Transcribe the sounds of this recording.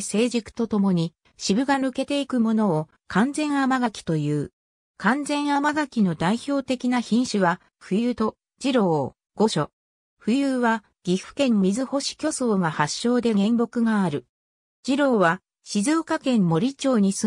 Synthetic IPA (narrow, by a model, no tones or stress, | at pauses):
se̞ːʑikɯ̟̥t̪o̞t̪o̞mo̞ɲ̟i | ɕibɯ̟ɡanɯ̟ke̞t̪e̞ikɯ̟mo̞no̞ː | kʰãnd͡zẽ̞ɰ̃amaɡakʲi̥t̪o̞jɯ̟ː | kãnd͡zẽ̞ɰ̃amaɡakʲino̞d̪aiço̞ːt̪e̞kʲinaçĩɰ̃ɕɨβa | ɸɯ̟jɯːt̪o̞ | d͡ʑiɾo̞ː | ɡ̥o̞ɕo̞ | ɸɯ̟jɯːβa | ɡ̥ʲiɸɯ̟̥kẽ̞nːmʲizɨho̞ɕi̥kʲo̞so̞ːɡahaɕːo̞ːd̪e̞ɡẽ̞mbo̞kɯ̟ɡaːɾɯ̟ | d͡ʑiɾo̞ːβa | ɕizoːkakẽ̞mːo̞ɾʲit͡ɕo̞ːɲ̟isɨ